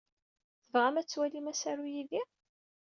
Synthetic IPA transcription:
θəvʁæmæt͡sːwælimæsæɾujiði

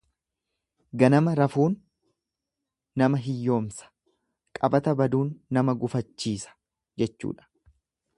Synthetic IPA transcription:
ɡɐnɐmɐɾɐfuːn | ɐmɐɦɪjːo̞ːmsɐ̥ | kʼɐbɐt̪ɐbɐd̪uːnːɐmɐɡʊfɐt͡ʃːiːsɐ̥ | d͡ʒɛt͡ʃːṵːᶑɐ̥

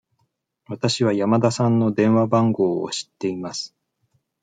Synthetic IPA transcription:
βat̪aɕiβajamad̪asãnːo̞d̪ẽ̞ɰ̃βabãŋɡo̞ːo̰ɕi̥t̪ːe̞imasɨ̥

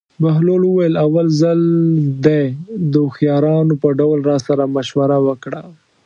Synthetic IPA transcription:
baɦloləwajəlawalzald̪ejd̪əxjɑɾɑnopəɖawlɾɑsaɾamaʃwaɾawəkɽa

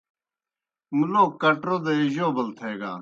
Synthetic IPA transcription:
muloːkɐʈɾoːd̪eːɪʒoːbəlt̪ʰeːɡa̰ː

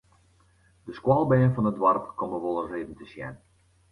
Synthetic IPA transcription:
d̥əskwɔlˠbɛːnfɔnədwarpkɔməʋolˠəreːdən̩təsjɛ̰n

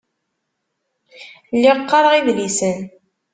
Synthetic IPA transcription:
lːɪqːɑɾˤʁiðlisən

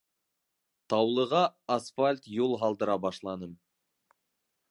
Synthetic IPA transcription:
t̪ʰɑwlˠəʁɑːsfalʲt̪julˠɦɑlˠd̪əɾɑbɑʃlˠɑnəm

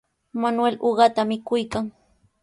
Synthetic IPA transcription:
manweloɢɑt̪amɪkʊjkaŋ

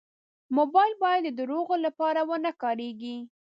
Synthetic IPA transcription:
mobɑjlbɑjad̪ːəd̪əɾoɣolapɑɾawənakɑɾeɡi

